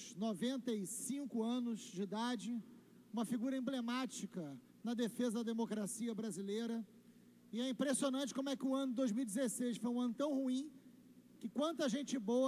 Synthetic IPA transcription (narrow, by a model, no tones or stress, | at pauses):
novẽnt̪ɐisĩŋkʊɐ̃nʊzd͡ʒɪid̪ad͡ʒɪ | ũmɐfiɡuɾɐẽblemat͡ʃikɐ | nɐd̪efezɐd̪ɐd̪emokɾasiɐbɾazilejɾɐ | ɪɛĩpɾesionɐ̃nt͡ʃɪ̥kõmʊɛkɪʊɐ̃nʊd̪ojzmiuwid͡ʒɪzesejsfojũɐ̃nʊt̪ɐ̃w̃huĩ | kɪkwɐ̃nt̪̬ɐʒẽnt͡ʃɪboɐ